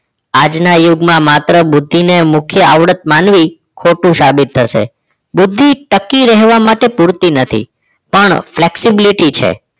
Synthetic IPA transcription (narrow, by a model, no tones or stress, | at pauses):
ad͡ʒnajuɡmãmat̪ɾəbʊd̪ʱːinemʊkʰjəaʋɽət̪̚manʋi | kʰoʈũsabit̪ʰːəʃḛ | bʊd̪ʱːiʈəkːiɾɛɦʋamaʈepuɾt̪inət̪ʰḭ | pəɳfleksibiliʈit͡ʃʰḛ